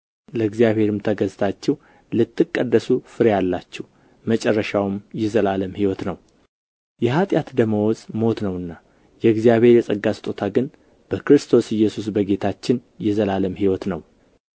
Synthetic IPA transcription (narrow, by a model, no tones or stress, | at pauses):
ləɨɡzijaβhe̞ɾɨmt̪ʰəɡəzt̪ʰat͡ʃːɛw | lɨt̪ːɨkʼːəd̪ːəsufɨɾjalːat͡ʃːɛw | mət͡ʃʼɛrːəʃawmjɛzəlaləmhiwɔt̪nəw | jɛhat̪ʼjat̪d̪əməwɔzʼmo̞t̪nəwɨnːa | jɛɨɡzijaβhe̞ɾjɛsʼəɡːast̪ʼo̞t̪ʰaɡɨn | b̥əkɾɨst̪ʰo̞sɨjːɛsus̬bəɡe̞t̪ʰat͡ʃːɪn | jɛzəlaləmhiwɔt̪nəw